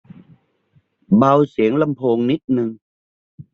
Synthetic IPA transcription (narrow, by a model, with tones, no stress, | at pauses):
ba˧wsi˩˦əŋla˧mpʰoː˧ŋni˦˥t̪̚nɯ˧ŋ